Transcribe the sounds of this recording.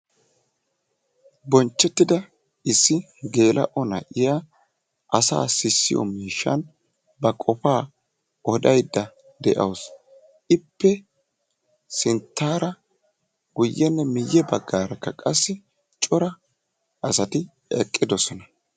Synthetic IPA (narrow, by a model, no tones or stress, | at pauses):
bɔnt͡ʃːɛt̪ːɪd̪ɐ | ɪsːɪ | ɡe̞ːlʔɐ̰ʔɔnɐ̰ʔɪja | ʔɐsa̰ːsɪsːɪ̰jɔ̰miːʃːɐ̰n | bɐkʼɔfaː | ʔɔd̪ɐjd̪ːɐ | d̪ɛʔɐ̰ws | ʔɪpːɛ | sɪnt̪ːaːɾɐ | ɡʊjːɛnːɛmɪjːɛbɐɡːaːɾɐkːɐkʼɐsːɪ | t͡ʃʼɔɾɐ | ɐsɐt̪ɪ | ɛ̰kʼːɪd̪ɔsɔnɐ